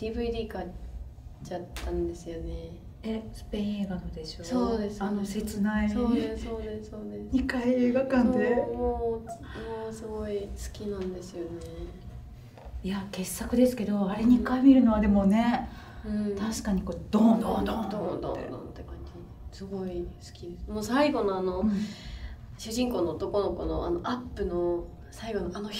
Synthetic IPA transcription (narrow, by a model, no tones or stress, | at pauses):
d̪̥iːbɯ̟id̪iːka | t͡ɕat̪ːãnd̪e̞sɨjone | esɨ̥pẽĩe̞ːɡanod̪e̞ɕosoːd̪esanose̞t͡sɨnaisosoːd̪esoːd̪esɲ̟ikaieːɡakãnd̪emo | mosɨɡoisɨ̥kʲinãnd̪e̞sɨjone | jake̞sːakɯ̟d̪e̞sɨ̥ke̞d̪o̞aɾe̞ɲ̟ikaimʲiɾɯ̟no̞β̞ad̪e̞mo̞nẽ̞ | t̪ʰaɕi̥kaɲ̟ikod̪̥õnd̪õnd̪̃d̪õd̪õ̰ḛd̪õ̰nt̪ekãɲ̟d͡ʑi | sɨɡo̞isɨ̥kʲid̪esmoːsaiɡo̞no̞ano̞ɯ̟̃ | ɕɨʑĩŋkoːno̞ːt̪o̞ko̞no̞ko̞noa̰noʔapːɯ̟no | saiɡo̞noanoç